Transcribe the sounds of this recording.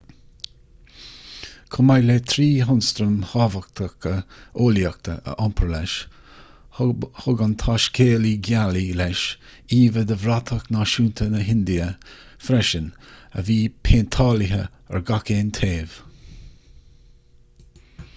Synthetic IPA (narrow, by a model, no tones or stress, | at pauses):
kʰʊmajlet̪ʰɾiːɦʊnst̪ɾəmhɑvəkt̪ʰəkəoːljək̚t̪ʰəʔə̰ʔɔmpʰəɹlɛʃ | hʊɡənt̪ʰaʃkʰeːliɡjalilɛʃiːvəd̪əvɾat̪ʰəknaʃuːnt̪ʰənəɦɪnd̪iəfɾɛʃənə̰viːpʰeːnt̪ʰɑːlɪɦə | ə̰ɹɡakeːnt̪ʰeːv̥